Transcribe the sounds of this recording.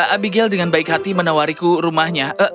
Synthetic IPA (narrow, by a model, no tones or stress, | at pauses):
abiɡɛldəŋanbaikɦat̪imənawaɾikuɾumahɲaʔə